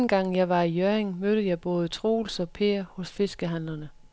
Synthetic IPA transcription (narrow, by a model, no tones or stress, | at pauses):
nɡ̥ɑ̈ŋ̰jɑ̈ɪʋɑ̈ijøɐeŋmøɾ̥əð̩jɑ̈ɪb̥ɔ̽ːð̞ˠt͡sʰʁoːlsɒ̽pʰe̝ɐhɔ̽sfe̝sɡ̥əɦæn̰lɐnə